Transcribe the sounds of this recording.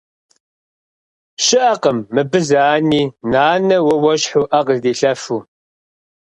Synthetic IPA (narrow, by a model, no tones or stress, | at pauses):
ʃɪʔɐqəmːɨbɨzaːniːnaːnɐwɐwɐɕħuʔɐqzdiːɬɐfuː